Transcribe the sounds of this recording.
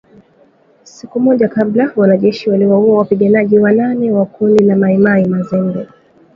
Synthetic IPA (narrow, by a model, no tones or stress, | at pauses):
sikumɔʄakablawanaʄɛʃiwaliwauawapiɠanaʄiwananɛwakundinamaimaimazɛŋɡɛ